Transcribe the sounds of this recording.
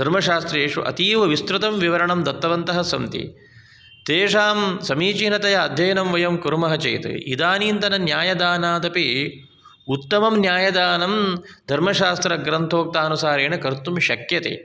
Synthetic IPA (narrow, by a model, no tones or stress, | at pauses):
d̪ʱɐɾmɐʃaːst̪ɾeːʂṵʔɐ̰t̪iːʋɐʋist̪ɾut̪ɐmʋiʋɐɾɐɳɐmd̪ɐt̪ːɐʋɐnt̪ɐɦɐsɐmt̪ḭ | t̪eːʂaːmsɐmiːt͡ʃiːnɐt̪ɐjɐːd̪ʱjɐjɐnɐmʋɐjɐmkuɾmɐɦɐt͡ʃɐ̰jt̪ɨ̰ḭd̪aːniːnt̪ɐnɐnjaːjɐd̪aːnaːd̪ɐpi | ut̪ːɐmɐmnjaːjɐd̪aːnɐmd̪ʱɐɾmɐʃaːst̪ɾɐɡɾɐnt̪ʰoːk̚t̪aːnusaːɾeːnɐkɐɾt̪umʃɐkjɐt̪ḛː